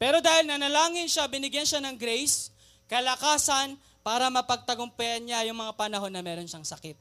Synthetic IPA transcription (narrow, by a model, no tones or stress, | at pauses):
pɛːɾo̞d̪aːhɪlnɐnɐlaːŋɪnʃabɪnɪɡjɐnʃanɐŋɡɾɛjs | kɐlɐkaːsɐn | paːɾɐmɐpɐɡ̚t̪ɐɡʊmpɛʔɐnɲajʊŋmɐŋapɐnɐɦo̞nːɐmɛːɾo̞nʃaŋsɐkɪt̪̚